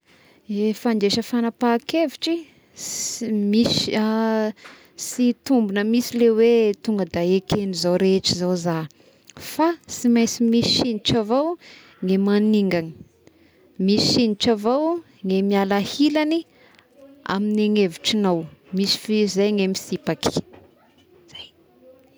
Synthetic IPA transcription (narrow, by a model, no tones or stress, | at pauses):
efand̪eʃəfanapakeviʈ͡ʂi | misa | sit̪umbunəmisilewet̪uŋɡəd̪aekenizowɾeʈ͡ʂizoza | fasimajsimisi̥ʃiniʈ͡ʂavow | ŋemaniŋɡani̥ | misisiniʈ͡ʂavow | ŋemialahilani | a̰mineŋeviʈ͡ʂinawmisi̥fizajŋemisipaki̥ | z̥aj